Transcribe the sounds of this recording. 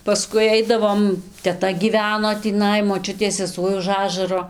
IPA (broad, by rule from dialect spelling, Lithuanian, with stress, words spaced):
pɐˈskʊɪ ˈɐɪdɐʋoːm tʲɛˈtɐ ɡʲiːˈʋʲæːnoː tʲiːˈnɐɪ moːˈt͡ʃʲʊtʲeːs sʲɛˈsuɔj ʊʃ ˈɑːʒɐroː